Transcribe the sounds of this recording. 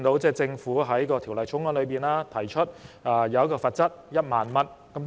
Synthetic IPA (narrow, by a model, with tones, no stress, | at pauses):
ŋt̪o˨˥wt͡sɛː˥˧t͡sɪ˧ŋfuː˨˥ɦɐ˨˥jkɔː˧t̪ʰi˨˩wlɐ˨jt͡sʰʊ˨˥ŋwɔ˥nlɵ˨˧piː˨˩naː˥t̪ʰɐ˨˩jt͡ʃʰɵ˥t̚ʔaː˧jɐ˧wɐ˥kɔː˧fɐ˧t̚t͡sɐ˥t̚jɐ˥t̚maː˨nmɐ˥n̚ | kɐ˨˥mt̪